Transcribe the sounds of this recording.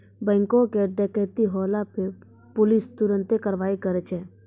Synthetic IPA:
bɛ̃ːŋkõkeɖɛkɛːt̪iɦɔːlape | pʊlist̪ʊɾə̃nt̪ekəɾʋaːikəɾet͡ʃʰɛː

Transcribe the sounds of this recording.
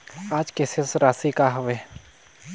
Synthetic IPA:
aːd͡ʒkesɪsɾaːsikaɦʊʋe

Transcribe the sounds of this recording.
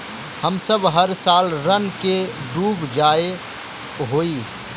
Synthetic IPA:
həmsəbɦɐɾsaːlɾənke | ɖuːbd͡ʒaːe | ɦoːiː

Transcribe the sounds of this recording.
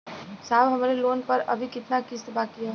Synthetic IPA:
saːbɦɐmaːɾeloːnpɐɾɐ̰bʱikɪt̪nakɪst̪baːkiɦa

